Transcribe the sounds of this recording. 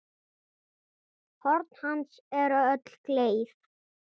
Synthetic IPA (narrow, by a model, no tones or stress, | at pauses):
hɔɾt̪n̥hansɛɾaœt̪lkleːjθ